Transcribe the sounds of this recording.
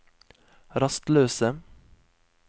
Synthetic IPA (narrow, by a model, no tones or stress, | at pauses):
ɾɑst̪løːsə